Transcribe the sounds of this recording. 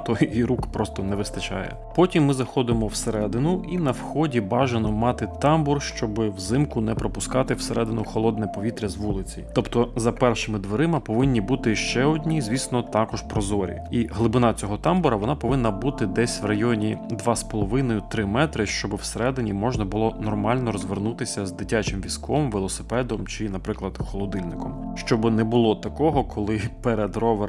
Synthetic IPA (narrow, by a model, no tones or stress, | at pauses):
t̪ɔiɾukpɾɔst̪ɔnɛʋɪst̪ɐt͡ʃɑ̰jɛ̰pɔtʲimːɪzɐxɔd̪ɪmɔwseɾɛd̪ɪnʊʔinɐwxɔdʲibɑʒenɔmɑt̪ɪt̪ɑmbɔrʃt͡ʃɔbɪwzɪmkʊnɛpɾɔpʊskɑt̪ɪwseɾɛd̪ɪnʊxɔlˠɔd̪̚nɛpɔʋʲit̪ɾʲɐzʋulˠɪt͡sʲijt̪ɔpt̪ɔzɐpɛrʃɪmɪd̪ʋeɾɪmɪpɔʋɪnʲːibut̪ɪʃt͡ʃɛɔdʲnʲizʲʋʲisnɔt̪ɑkɔʒpɾɔzɔɾʲḭiɦlˠɪbɪnɑt͡sʲɔɦɔt̪ɑmbɔɾɐʋɔnɑpɔʋɪnːɐbut̪ɪd̪ɛsʲʋrɐjɔnʲid̪ʋɑspɔlˠɔʋɪnɔjʊt̪ɾɪmɛt̪ɾɪʃt͡ʃɔbɪwseɾɛd̪ɪnʲimɔʒnɐbʊlˠɔnɔrmɑlʲnɔɾɔzʋernut̪ɪsʲɐzd̪ɪtʲat͡ʃɪmʋʲiskɔmʋelˠɔsɪ̥pɛd̪ɔmt͡ʃɪnɐpɾɪklˠɐd̪xɔlˠɔd̪ɪlʲnɪkɔmʃt͡ʃɔbɪnɛbʊlˠɔt̪ɐkɔɦɔkʰɔlˠɪpɛɾed̪rɔʋe